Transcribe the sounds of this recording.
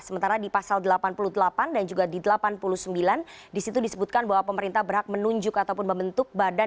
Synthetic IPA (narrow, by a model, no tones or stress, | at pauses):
səmənt̪aɾadipasaldəlapanpuluhdəlapandand͡ʒuɡadidəlapanpuluhsəmbilandisit̪udisəbut̪̚kanbaɦwapəməɾint̪ahbərɦak̚mənuɲd͡ʒʊkat̪awpʊnməmbənt̪ʊk̚bada